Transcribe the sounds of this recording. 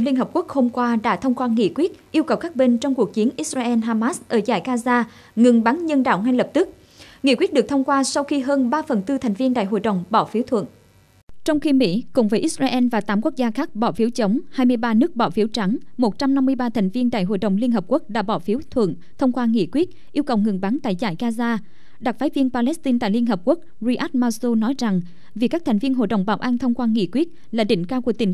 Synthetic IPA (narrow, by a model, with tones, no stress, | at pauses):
li˧ənɦəː˨˩p̚ku˦˥k̚ho˧mkwaː˧ɗa̰ː˧˥t̪ʰə˧wŋ͡mkwaː˧ŋḭ˧˨kwi˦˥t̚ʔi˧əwkə˨˩wkaː˦˥k̚ɓe˧nt͡ɕɔ˧wŋ͡mku˨˩k̚t͡ɕi˨˦ənʔi˦˥t̚zaː˧ʔɛ˧nɦaː˧maː˦˥sʔəː˧˩za̰ː˧˩jkaː˧zaː˧ | ŋɨ˨˩ŋɓa˨˦ŋɲə˧nɗa̰ː˧˨wŋa˧jlə˨˩p̚t̪ɨ˦˥k̚ | ŋḭ˧˥kwi˦˥t̚ɗɨ˨˩ək̚t̪ʰwŋ͡mkwaː˧sa˧wxi˧ɦəː˧nɓaː˧fə˨˩nt̪ɨ˧t̪ʰa˨˩jŋ̟vi˧ənɗa̰ː˧˨jɦo̰˧˨jɗə̰˨wŋ͡mɓɔ˧˩fi˨˦wt̪ʰwə̰˧˨nʔ | t͡ɕɔ˧wŋ͡mxi˧mḭ˧˥kʊ̰˨˧˩ŋ͡mvəː˨˦jʔi˦˥t̚zaː˧ʔɛ˧nvaː˨˩t̪aː˨˦mku˦˥ək̚zaː˧xaː˦˥k̚ɓɔ˧˩fi˨˦wt͡ɕə˨˦wŋ͡mhaː˧jmɨ˧əjɓaː˧nɨ˦˥ək̚ɓɔ˧˩fi˨˦wt͡ɕa˨˦ŋmo˨˩t̚t͡ɕa˧mna˧mːɨ˧əjɓaː˧t̪ʰɛ˨˩ŋ̟vi˧ənɗa̰˧˨jɦo̰˧˨jɗə̰˨˩wŋ͡mli˧ənɦəː˨˩p̚ku˦˥ək̚ɗa̰ː˧˥ɓɔ˧˩fi˨˦wt̪ʰwə̰˧˨n | t̪ʰə˧wŋ͡mkwaː˧ŋḭ˧˨kwi˦˥ət̚ʔi˧əwkə˨˩wŋɨ˨˩ŋɓaː˨˦nt̪a̰ː˧˨jza̰ː˧˩jɣaː˧zaː˧ | ɗa˨˩t̚faː˨˦jvi˧ənpaː˧lɛ˦˥st̪i˧nt̪a̰ː˧˨jli˧ənɦəː˨˩p̚ku˦˥ək̚zi˧ʔa˦˥t̚maː˧so˧nɔ˨˦jza˨˩ŋ | vi˨˩kaː˦˥k̚t̪ʰɛ˨˩jŋ̟vi˧ənɦo̰˧˨jɗə̰˧˩wŋ͡mɓaː˧˩wʔaː˧nt̪ʰə˧wŋ͡mkwaː˧ŋḭ˧˥kwi˦˥ət̚ | laː˨˩ɗï˧˩˨ŋ̟kaː˧wku˧˩ət̪ï˨˩ŋ